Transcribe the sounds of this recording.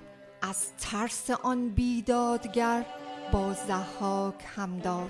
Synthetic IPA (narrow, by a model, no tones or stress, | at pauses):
ʔæz̥t̪ʰæɾseʔɒnbiːd̪ɒːd̪ɡæɾbɒːzæhːɒːkʰhæmd̪ɒː